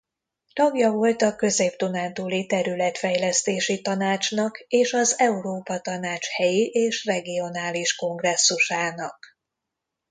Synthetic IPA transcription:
t̪ɒɡjɒvo̞lt̪ɒkø̞zeːpt̪unaːnt̪uːlit̪ɛɾylɛt̪fɛjlɛst̪eːʃit̪ɒnaːt͡ʃnɒkeːʃɒzɛuɾoːpɒt̪ɒnaːt͡ʃhɛjiʔeːʃrɛɡio̞naːliʃko̞ŋɡrɛsːuʃaːnɒk

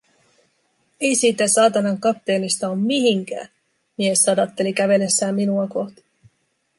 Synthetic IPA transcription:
e̞jsiːt̪æsɑːt̪ɑnɑŋkɑp̚t̪e̞ːnist̪ɑommiɦiŋk̟æ̰ː | mie̞sːɑdɑt̪ːe̞likæʋe̞le̞sːæːmːinuɑko̞ht̪i̥

